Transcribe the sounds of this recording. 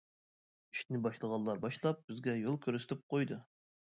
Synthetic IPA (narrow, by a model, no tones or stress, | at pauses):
iʃt̪nɪbɑʃlˠəʁɑlˠːɑɾbɑʃlˠɑp̚b̥ɪzɡʲɛjolˠkʲʰøɾsɪt̪ʰɪp̚qʰojd̪ɨ